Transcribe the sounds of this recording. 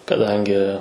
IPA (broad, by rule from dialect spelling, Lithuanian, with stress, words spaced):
kɐˈdɐŋʲɡʲɪ